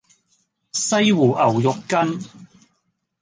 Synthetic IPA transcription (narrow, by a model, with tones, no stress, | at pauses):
sɐ˥jwuː˨˩ʔɐ˨˩wjʊ˨kːɐ˥n